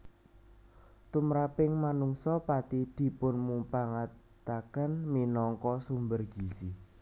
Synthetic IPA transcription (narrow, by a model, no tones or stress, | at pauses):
t̪umɾapɪŋmanuŋsɔpat̪id̪̥i̤pʊnmupaŋat̪akanminɔŋkɔsumbərɡ̥isi